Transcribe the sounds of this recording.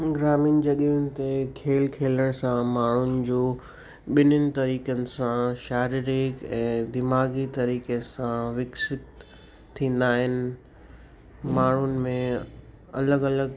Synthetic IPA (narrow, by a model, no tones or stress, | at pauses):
ɡɾaːmiːnd͡ʑɐɗiʊnɪ̆t̪ekʰeːlkʰeːləɽ̃sãmaːɳ̤ʊnɪ̆d͡ʑoː | ɓɪnɪnɪ̆t̪ɐɾiːkənɪ̆sãʃaːɾɪɾɪkɛ̃ːd̪ɪmaːɡit̪ɐɾiːkesãʋɪksɪt̪ʰː | ĩːnd̪aːɦɪnɪ̆ | maːɳ̤ʊnɪ̆mẽ | ɐləɡɐləɡ